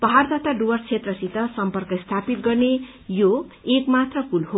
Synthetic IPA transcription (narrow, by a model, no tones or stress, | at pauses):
pʌɦard̪ʱat̪aɖuwʌrt͡sʰet̪rʌsit̪ʌsʌmpʌrkʌst̪ʰapit̪̚ɡʌrne | joekmat̪rʌkulho